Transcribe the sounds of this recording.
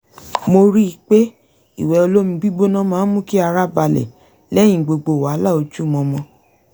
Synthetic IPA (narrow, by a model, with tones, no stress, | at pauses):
mo˧ɾi˦i˧˨k͡pe˦ | ḭ˦˨wɛ˨o˧lo˦mĩ˧ɡ͡bi˦ɡ͡bo˦nã˦mãː˨˦mũ˦ki˦a˧ɾa˦ba˧lɛ̰˨ | lɛ˦j̃ĩ˦˨ɡ͡bo˨˧ɡ͡bo˨wa˨˦la˦˨o˧d͡ʒu˦˨mɔ̃˧mɔ̃˧